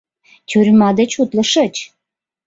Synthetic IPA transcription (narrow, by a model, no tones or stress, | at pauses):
t̪ʲyɾʲmɑd̪ət͡ɕut̪lə̆ʃə̆t͡ɕ